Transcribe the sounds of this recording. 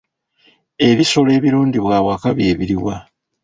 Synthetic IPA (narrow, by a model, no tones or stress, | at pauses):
e̞βiso̞le̞ːβiɾuːɲɟiβwaːwakaβje̞ːβiɾiwa